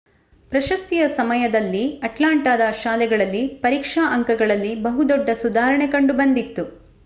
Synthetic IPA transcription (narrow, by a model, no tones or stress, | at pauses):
pɾɐʃɐst̪ijɐsɐmɐjɐd̪ɐlːiɐʈlaːɳʈaːd̪ɐʃaːlɛɡɐɭɐlːipɐɾiːkʂaːʔɐŋkɐɡɐɭɐlːibɐɦud̪ɔɖːɐsud̪aːɾɐɳekɐɳɖubɐnd̪it̪ːu